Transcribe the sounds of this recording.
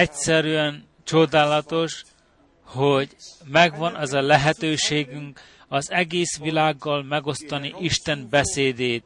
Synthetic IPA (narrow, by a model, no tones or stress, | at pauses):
ɛcsɛɾyɛn | t͡ʃo̞d̪aːlɒt̪o̞ʃ | hoɟmɛɡʋɒnɛzɒlɛɦɛt̪øːʃeːɡyŋk | ɒzɛɡeːsʋilaːɡːɒlmɛɡo̞st̪ɒniʔiʃt̪ɛnbɛseːd̪eːt̪̚